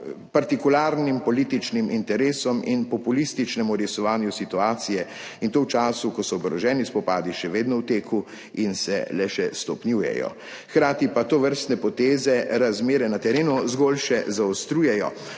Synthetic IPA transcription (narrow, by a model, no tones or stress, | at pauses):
paɾt̪ikulaːɾnimpɔlit̪it͡ʃnimʔint̪ɛɾeːsɔminpɔpulist̪it͡ʃnɛmuɾjɛsɔʋaːnjusit̪uaːt̪sijɛ | int̪owt͡ʃaːsukɔsɔːɡɾɔʒɛːnispɔpaːd̪iʃɛʋeːd̪nɔwt̪eːkʰu | insɛ̰lɛʃɛst̪ɔpnjuːjɛ̰jɔ̰ | xkɾaːt̪ipat̪oːʋəɾst̪nɛpɔt̪eːzɛɾazmeːɾɛnat̪ɛɾeːnuzɡolʃɛzaɔst̪ɾuːjɛjɔ̰